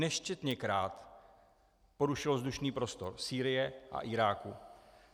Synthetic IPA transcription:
nɛʃcɛt̪ɲɛkɾaːt̪ | po̞ɾuʃɪlozd̪uʃniːpɾo̞st̪o̞ɾsiːɾɪjɛʔa̰ʔɪɾaːku

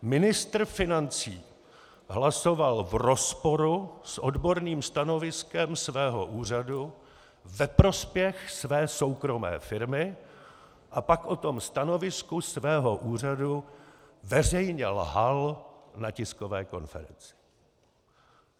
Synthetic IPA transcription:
mɪnɪst̪r̩fɪnant͡siː | ɦlaso̞valvro̞spo̞ɾusʔodbo̞ɾniːmst̪ano̞vɪskɛmsvɛːɦo̞̰ʔuːr̝adu | vɛpɾo̞spjɛxsvɛːso̞wkɾo̞mɛ̰ːfɪɾmɪ | ʔapakʔo̞t̪o̞mst̪ano̞vɪskusvɛːɦo̞ʔuːr̝adu | vɛrɛjɲɛlɦalnacɪskovɛ̰ːko̞̰nfɛ̰ɾɛnt͡sɪ̥

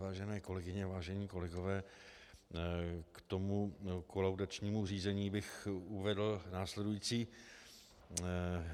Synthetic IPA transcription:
vaːʒɛnɛːko̞lɛɡɪɲɛvaːʒɛɲiːko̞lɛɡovɛː | kt̪o̞mukolawdat͡ʃɲiːmur̝iːzɛɲiːbɪxuvɛdl̩naːslɛdujiːt͡siː

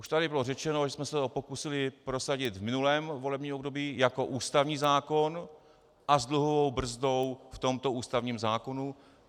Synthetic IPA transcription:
ʔuʃt̪adɪbɪlorɛt͡ʃɛno̞ʒɛsmɛsɛɦopo̞kusɪlɪpɾo̞saɟɪt̪vmɪnulɛːmvo̞lɛbɲiːmobdo̞biːjako̞ʔuːst̪avɲiːzaːko̞n | ʔazdluɦovo̞wbr̩zdowft̪o̞mt̪o̞ʔuːst̪avɲiːmzaːko̞nu

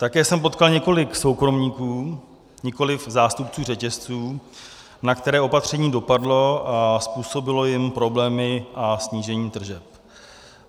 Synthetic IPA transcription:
t̪akɛːsɛmpo̞t̪kalɲɛko̞lɪkso̞wkɾo̞mɲiːkuː | ɲɛko̞lɪfzaːst̪upt͡suːrɛcɛst͡suː | nakt̪ɛɾɛːʔo̞pat̪r̝̥ɛɲiːdo̞padlo̞aspuːso̞bɪlo̞jɪmpɾo̞blɛːmɪʔasɲiːʒɛɲiːt̪r̩ʒɛp̚

